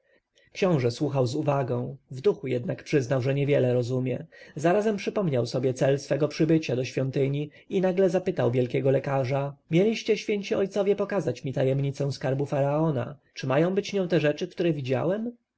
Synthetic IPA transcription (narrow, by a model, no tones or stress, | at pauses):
kɕɔ̃w̃ʐɛswuxawzuvaɡɔ̃w̃vd̪uxujɛd̪nakpʂɘznawʐɛɲɛvʲjɛlɛɾɔzumʲjɛzaɾazɛmpʂɘpɔmɲawsɔbʲjɛt̪sɛlsfɛɡɔpʂɘbɘt͡ɕad̪ɔɕfʲjɔnt̪ɘɲi | inaɡlɛzapɘt̪awvʲjɛlkʲɛɡɔlɛkaʐamʲjɛlʲiɕt͡ɕɛɕfʲjeɲt͡ɕiɔjt̪sɔvʲjɛpɔkazat͡ɕmʲit̪ajɛmɲit̪sɛ̃w̃skaɾbufaɾaɔna̰t͡ʂɘmajɔ̃w̃bɘt͡ɕvɲɔ̃w̃t̪ɛʐɛt͡ʂɘkt̪uɾɛvʲid͡ʑa̰wɛm